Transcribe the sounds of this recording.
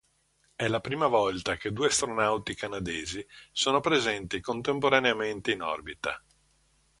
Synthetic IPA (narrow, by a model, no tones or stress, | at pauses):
ɛlapɾiːmavɔlt̪aked̪uːeast̪ɾonawt̪ikanad̪eːzisoːnopɾezɛnt̪ikont̪empoɾaneament̪einɔ̰rbit̪a̰